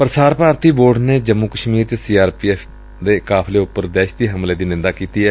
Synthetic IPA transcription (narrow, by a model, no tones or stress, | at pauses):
pəɾsaːɾpaːɾt̪iːboːɖneːd͡ʒəmːuːkəʃmiːɾt͡ʃəsiːaːɾpiːɛːfʰ | d̪eːkaːpʰleːʊpːəɾd̪ɛːʃd̪iːɦəmleːd̪iːnɪ̃nd̪aːkiːt̪iːɛː